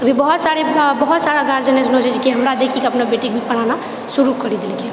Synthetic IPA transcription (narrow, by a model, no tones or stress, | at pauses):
əbʱibəɦut̪saɾebəɦut̪saɾaɡaɾd͡ʒəned͡ʒnɦod͡ʒat͡ʃʰikiɦəmɾad̪ekʰikeəpnabeʈik̚bʱipəɽ̤ana | suɾukəɾid̪elke